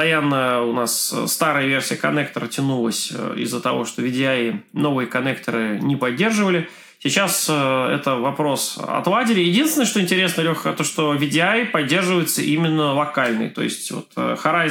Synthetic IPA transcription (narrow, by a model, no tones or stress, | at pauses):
t̪ɐjanːəʊnasst̪aɾɨjəvʲersʲɪjəkɐnɛk̚t̪əɾətʲɪnulˠəsʲɪ̰zːət̪ɐvo̞ʂt̪o̞vʲɪdʲɪano̞vɨjəkɐnɛk̚t̪əɾɨnʲɪpɐdʲːe̞rʐɨvəlʲɪ | sʲɪt͡ɕasɛ̰t̪əvɐpɾo̞sɐ̰t̪lˠadʲɪlʲɪjɪdʲinsʲɪnəʂt̪oɪnʲtʲɪɾʲe̞snəlʲoxt̪oʂt̪ovʲɪdʲɪajpɐdʲːe̞rʐɨvəjɪt̪səʔimʲɪnːəlˠɐkalʲnɨ̰jt̪o̞̰ɪ̰sʲtʲvo̰t̪ːxɐɾa